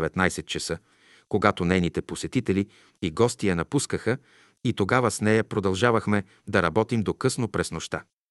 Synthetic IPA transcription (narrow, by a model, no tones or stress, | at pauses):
ɛvɛt̪najsɛt̪̚t͡ʃɐsɤ | koɡat̪onɛjnit̪ɛposɛt̪it̪ɛli | iɡɔst̪ijɐnɐpuskəxə | it̪oɡavɐsnɛjɐpɾod̪ɐlˠʒavɐxmɛ | d̪ɐɾɐbɔt̪imd̪okɤsnopɾɛsnoʃt̪a